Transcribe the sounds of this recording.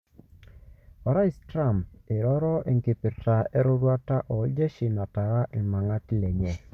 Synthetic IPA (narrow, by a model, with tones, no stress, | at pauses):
ɔ˨ɾa˦i˦stɾa˦˨mɪ˨ɾɔ˦ɾɔ˦ʔḛ˨ŋɡɪ˨pɪ˨ta˨ɛ˦ɾʊ˦ɾwa˦ta˦ʔɔ˨˦d͡ʒe˦ʃi˨na˨ta˨ɾa˦ʔɪ˨ma˨ŋa˦ti˦lɛ˨ɲɛ˨